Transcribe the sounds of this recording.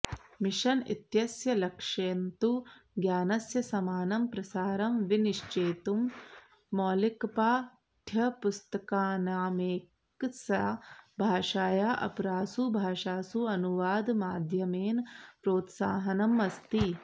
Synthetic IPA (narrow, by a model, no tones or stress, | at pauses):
miʃɐnḭt̪jɐsjɐlɐkʂeːnt̪uɡjaːnɐsjɐsɐmaːnɐmpɾɐsaːɾɐmʋiniʃt͡ʃeːt̪umː | oːlikɐpaː | t̪ʰjɐpust̪ɐkaːnaːmeː | ksɐbʱaːʃaːjaːʔɐ̰pɾaːsubʱaːʃaːsuɐnuʋaːd̪maːd̪ʱjɐmeːnpɾoːt̪saːɦɐnɐmɐst̪i